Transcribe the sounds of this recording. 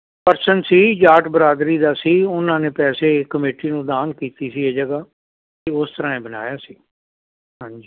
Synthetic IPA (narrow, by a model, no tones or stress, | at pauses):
pəɾsənsiːd͡ʒaːʈbəɾaːd̪ɾiːd̪aːsiːʊnãːneːpɛːseːkəmeːʈiːnũːd̪aːnkiːt̪iːsiːeːd͡ʒəɡaː | t̪eʊst̪əɾãːẽːbəna̰ːjaːsiː | ɦãːɲd͡ʒiː